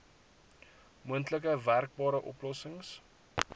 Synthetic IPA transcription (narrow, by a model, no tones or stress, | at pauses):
muəntlək̬əværk̚bɑːɾəʔɔ̰plɔsəŋs